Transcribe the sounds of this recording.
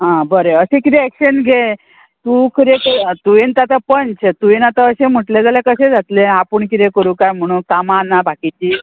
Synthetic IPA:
ɦãbəɾeəɕẽkit̪eɛkɕənɡʱe | t̪ukʰəɾekt̪uent̪at̪apənt͡st̪uʋenat̪əəɕem̤əʈled͡zaljakəɕed͡zʱat̪lẽapəɳkit̪ekəɾũkajm̤əɽ̃ũːnkamanabʱakit͡ɕiː

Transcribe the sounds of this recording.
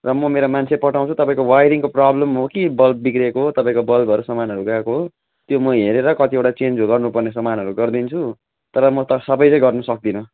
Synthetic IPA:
rʌmʌmeɾomant͡sʰepʌʈaw̃t͡sʰut̪ʌpaĩkowajɾiŋkoprablʌmɦokibʌlb̚bikrekoɦot̪ʌpãĩkobʌlbʱʌɾusʌmanɦʌɾuɡakoɦo | t̪jomʌɦeɾeɾʌkʌt̪iewʈat͡send͡zoɡʌrnupʌrnes̬ʌmanʌɾuɡʌrd̪int͡sʰu | t̪ʌɾʌmʌt̪ʌsʌbʌjʌ̃j̃ɡʌrnʌsʌk̚d̪inʌ

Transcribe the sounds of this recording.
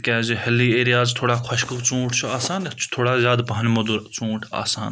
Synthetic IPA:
kʲɛːzihɐliːeːɾijaːzt̪ʰoːɽaːkʰɐʃkəkt͡sũːʈʰt͡ʃʰuaːsaːnt͡ʃʰu̥t̪ʰoːɽaːzʲjaːd̪pɐɦɐnmɐd̪uɾt͡sũːʈʰa̰ːsaːn

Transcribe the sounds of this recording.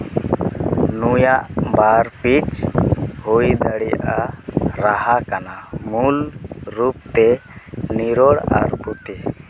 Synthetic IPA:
nujaʔbaɾpit͡ʃ | hujd̪aɽɛja̰ʔaɾaɦakanamulɾup̚t̪ɛniɾɔɽa̰ɾput̪ɛ

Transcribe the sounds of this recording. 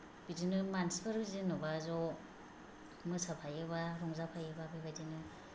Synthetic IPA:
b̥idinɯmanspʰɯɾzinɯbazɔ | mɯsapʰajɯβaɾɔŋzapʰajɯbabebajdinɯ

